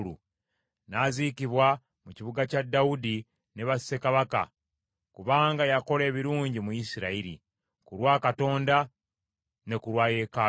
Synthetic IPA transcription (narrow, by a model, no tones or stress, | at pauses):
lṵ | naziciβwa | muciβuɡacadːaudi | ne̞βasi̥se̞kaβaka̰ | kuβaːŋɡajako̞le̞ːβiɾuːɲɟimujisiɾaiɾḭ | kuɾwaːkato̞ːnda | ne̞kuɾwaːje̞ka